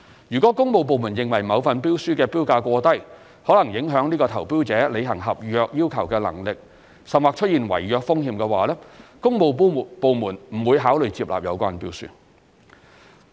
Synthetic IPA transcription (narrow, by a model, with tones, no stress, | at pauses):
jyː˨˩kʷɔ˨˥kʊ˥ŋmo˨˧wp̬o˨wmuː˨˩njɪ˨ŋwɐ˨˩jmɐ˨˧wfɐ˨npiː˥wsyː˥kɛː˧piː˥wkaː˧kʷɔː˧t̪ɐ˥j | hɔː˨˥lɐ˨˩ŋjɪ˨˥ŋɦœː˨˥ŋniː˥kɔː˧t̪ʰɐ˨˩wpiː˥wt͡sɛː˨˥le˨˧jɦɐ˨˩ŋɦɐ˨p̚jœː˧k̚jiː˥wkʰɐ˨˩wkɛː˧lɐ̰˨˩ŋlɪ˨k̚ | sɐ˨nwaː˨k̚t͡ʃʰɵ˥t̚jiː˨nwɐ̰˨˩jjœː˧k̚fʊ˥ŋhiː˧mkɛː˧waː˨˥lɛː˥kʊ˥ŋmo˨˧wpo˨˧wmuː˨˩nm̩˨˩wuː˨˧jɦaː˨˥wlɵ˨ɥt͡siː˧˥p̚la̰˨p̚jɐ˨˧wkʷaː˥npiː˥wsy̰ː˥